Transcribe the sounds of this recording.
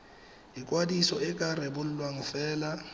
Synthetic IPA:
ikʼwadisɔɛkʼarebʊl̩lwaŋ̩fɛːla

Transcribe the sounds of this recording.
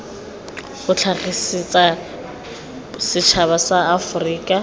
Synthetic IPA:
χʊt͡ɬʰaχisit͡sʼa | sɪt͡ʃʰaβasaːfʊriːkʼa

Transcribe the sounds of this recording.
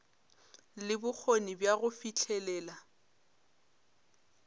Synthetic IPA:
lɪbʊk͡xʰonibjaɣʊfit͡ɬʰɛlɛːla

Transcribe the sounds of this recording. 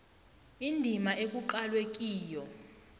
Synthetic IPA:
indʱimaʔek̬ʼuǃalwek̬ʼiːjɔ

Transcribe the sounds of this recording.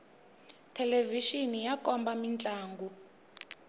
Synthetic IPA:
tʰɛleviʃinijakʼɔmbamint͡ɬʼaːŋɡu

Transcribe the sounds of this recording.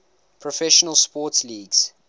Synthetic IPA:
pʰɹɔfɛʃənəlˠspɔːˑtsliːɡz̥

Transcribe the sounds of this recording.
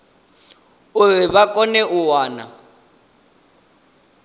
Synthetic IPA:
uɛβakʼɔnɛʔuwaːna̰

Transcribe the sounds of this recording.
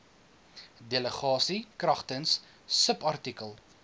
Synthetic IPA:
deləχɑːsikrɐχtənsː | əpɐrtikəlˠ

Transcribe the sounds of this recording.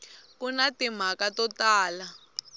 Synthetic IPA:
kunatim̤akatɔtaːla

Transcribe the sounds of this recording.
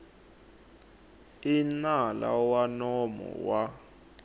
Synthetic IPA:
inalawanɔmɔ̰wa

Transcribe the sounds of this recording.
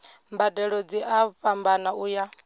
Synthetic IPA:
mbadɛɺɔd͡ziʔaɸambanauːja

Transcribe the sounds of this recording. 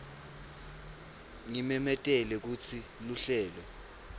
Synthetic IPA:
ŋimɛmɛtʼɛlɛk̬ut͡sʰiluɬɛːlɔ

